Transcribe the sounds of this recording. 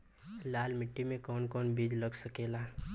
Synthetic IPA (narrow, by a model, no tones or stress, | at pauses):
laːlmɪʈːimẽkɔːnkɔːnbiːd͡ʒləɡsəkeːlaː